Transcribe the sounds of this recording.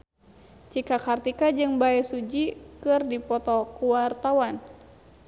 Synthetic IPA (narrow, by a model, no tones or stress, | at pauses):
t͡ʃikakart̪ikad͡ʒɨŋbaɛsud͡ʒikɨrdipɔt̪ɔkuwart̪awan